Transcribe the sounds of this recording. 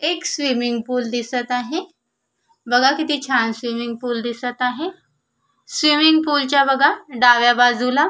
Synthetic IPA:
eksʋimiŋɡpuːld̪isət̪aɦe | bəɡʱakit̪iːt͡ɕʰansʋimiŋɡ̚puːld̪isət̪aɦe | sʋimiŋɡpult͡ɕjabəɡʱaɖaʋjabad͡zula

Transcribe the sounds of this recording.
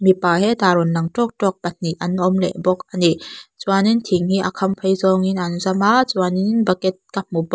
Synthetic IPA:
mipaːɦɛt̪aɾɔnlaŋtɔk̚tɔk̚pɐt̪̚niʔɐnʔɔmlɛ̰ʔbɔk̚anit͡swanint̪ʰiŋhiʔakʰɐmpʰəjzɔŋinʔanuzamaʔt͡suaninbakɛt̪̚kap̚ːubɔ

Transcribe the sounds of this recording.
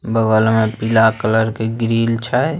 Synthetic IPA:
bəɡəlmepilakələɾkeɡɾiːlt͡ʃʰa

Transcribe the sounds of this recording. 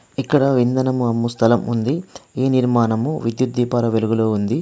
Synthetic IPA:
ikːɐɽɐʋind̪ɐnɐmuɐmːust̪ʰɐlɐmṵnd̪ieːniɾmaːnɐmuʋid̪jud̪ːiːpɐɾɐʋeluɡuloːund̪i

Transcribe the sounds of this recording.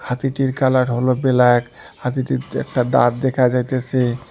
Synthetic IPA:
hat̪iʈiɾkalaɾɦolobelaek | hat̪iʈiɛ̰k̚ʈad̪a̰ɾd̪ekʰad͡ʑajt̪esʰe

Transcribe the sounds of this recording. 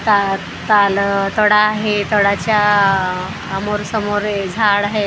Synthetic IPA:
t̪a | t̪alt̪əɽaːɦet̪əɽat͡ɕja | moɾsəmoɾed͡zʱaɽaɦe

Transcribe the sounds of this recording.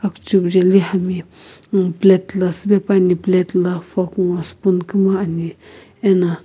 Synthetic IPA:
akt͡ʃubd͡ʒelihami | plet̪lasibepaniplet̪lafokŋaspunkimaani | ena

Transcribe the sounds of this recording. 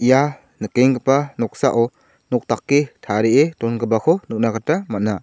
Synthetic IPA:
ʔija | nɯkeŋɡɯpanɔk̚saʔɔ | nɔk̚takːetʰaɾeʔetɔnɡɯbakʰɔnɯk̚naɡatamat̚na

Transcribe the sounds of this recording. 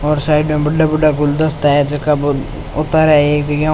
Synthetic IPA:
ɔːɾsaːɪɖmẽbəɖːabəɖakʊld̪əst̪ɛd͡ʒəkab | ʊt̪aːɾɛeːkd͡ʒəɡã

